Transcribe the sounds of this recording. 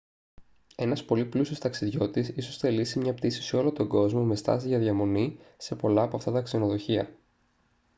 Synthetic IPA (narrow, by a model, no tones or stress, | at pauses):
e̞nɐspo̞liplusio̞st̪ɐksiðʝo̞t̪isiso̞st̪elisimɲɐpt̪isi̥sio̞lot̪o̞ɡo̞zmome̞st̪ɐ̰siʝɐðʝɐmo̞nise̞po̞lɐːpoɐft̪ɐt̪ɐkseno̞ðo̞çiɐ̰